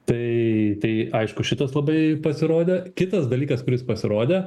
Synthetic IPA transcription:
t̪ɐɪt̪ɐɪɐɪʃkʊʃʲɪt̪ɐslˠɐbɐɪpɐsʲɪɾoːd̪ʲekʲɪt̪ɐsd̪ɐlʲiːkɐskʊɾʲɪspɐsʲɪɾoːd̪ʲɛ

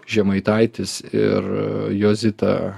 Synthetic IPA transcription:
ʒʲɛmɐɪt̪ɐɪt̪ʲɪsɪ̰rjoːzʲɪt̪ɐ̰ː

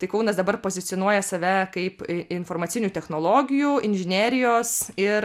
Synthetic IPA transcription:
t̪ɐɪkɐʊnɐsd̪ɐbɐrpoːzʲɪt̪sʲɪonuɔjɛsɐʋʲɛkɐɪpɪnfoːrmɐt̪ʲɪnʲuːt̪ʲɛxnoːlˠoːɡʲɪjuɪnʲʒʲɪnʲeːɾʲɪjoːsɪɾ

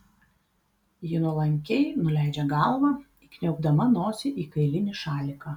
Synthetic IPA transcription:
jɪnʊlˠɐŋʲkʲɛɪnʊlʲæˑɪd͡ʒʲɛɡɑˑlˠʋɑ | ɪkʲnʲɛʊɡ̚d̪ɐmɐnoːsʲɪʔiːkɐɪlʲɪnʲɪʃɑːlʲɪkɑ

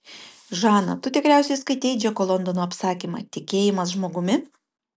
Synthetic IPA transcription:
ʒɑːnɐ̰t̪ʊt̪ʲɪkɾʲæˑʊsʲɛɪskɐɪt̪ʲɛɪd͡ʒʲɛkolˠɔnd̪ɔnoːɐpsɑːkʲiːmɐ̰t̪ʲɪkʲeːjɪmɐsʒmoːɡʊmʲɪ

